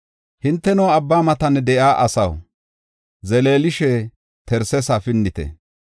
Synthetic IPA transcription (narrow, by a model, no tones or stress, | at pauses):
hɪnt̪ːɛnɔːɐbːaːmɐt̪ɐnːɛd̪ɛʔaːʔɐsɐ̰w | zɛleːlɪʃɛ | t̪ʰɛɾsɛsaːfɪnːɪt̪ɛ̰